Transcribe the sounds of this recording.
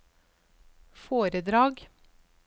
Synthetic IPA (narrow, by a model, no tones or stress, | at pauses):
foːɾəd̪ɾɑːɡ